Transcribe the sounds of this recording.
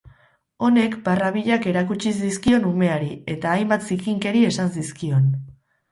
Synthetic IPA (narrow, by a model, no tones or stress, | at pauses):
o̞ne̞kbaraβiʎake̞ɾakut͡ʃisd̪iskio̞nume̞aɾie̞t̪aːjmbat̪sikiŋke̞ɾie̞sansiskio̞n